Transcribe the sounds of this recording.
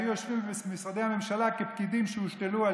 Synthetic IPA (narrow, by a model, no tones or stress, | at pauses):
jujoʃvimbesmisʁad̪ehamemʃalakepkid̪imʃeuʃt̪elua